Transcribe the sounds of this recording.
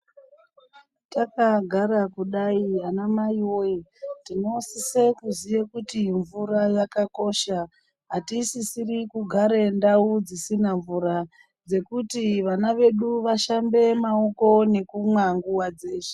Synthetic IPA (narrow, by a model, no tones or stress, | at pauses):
takaɡʱaɾakuɗaianamajojitino̞sisekuzijekutiɱvuɾajakako̞ʃa | ɦatisisirikuɡʱaɾe̞ndaud͡zisinaɱvuɾa | d͡ze̞kutiʋanaʋe̞ɗuʋaʃambe̞mao̞ko̞ne̞kumwaŋɡuwad͡ze̞ːʃe̥